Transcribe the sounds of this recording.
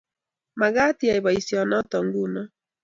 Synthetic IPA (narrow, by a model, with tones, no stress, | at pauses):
ma˨ɣa˦ti˨a˨iβa˨isiɔ˨nɔ˦tɔ˨ŋɡu˦nɔ˨